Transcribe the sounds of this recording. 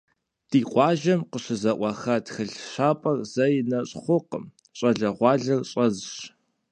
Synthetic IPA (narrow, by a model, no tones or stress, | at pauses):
d̥iːqʷʼɑːʒɐmqəɕɨzɐʔʷɑxaːtxɨɮʃaːpʼɐrz̥ɐjɪnɐɕʼχʷʊqə̰m | ɕʼɐɮɐʁʷɑːɮɐrɕʼɐzɕ